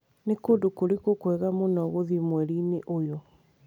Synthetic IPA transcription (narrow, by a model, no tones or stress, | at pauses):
nekodokoɾikokwɛɣamonɔɣoðimwɛɾineʔojɔ